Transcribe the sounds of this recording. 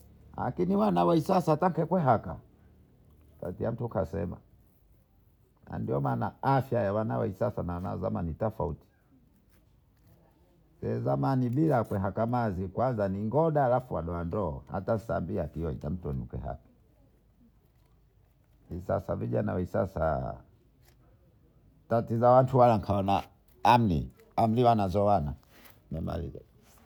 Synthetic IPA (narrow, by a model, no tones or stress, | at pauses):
la̰kiniwanawaisasataŋkɛkwɛɦaka̰ | ta̰tiam̩tukasɛ̰ma̰ | na̰ndiɔmaːnaafjajawanawa̰isasanawana̰a̰za̰manitafauti̥ | sɛzamaniɓilakwɛɦakamazikwanzaniŋɡɔɗaːlafuwaɗɔandɔɔ̰ha̰tasambiatijɔḭtam̩tɔnikɛ̰ɦa̰ti̥ | isa̰saviʄanawɛisa̰sa̰ | tatizawantʰuwalaŋ̩kʰaɔnaː | m̩lḭ | am̩liwanazɔwana | mɛma̰lḭza̰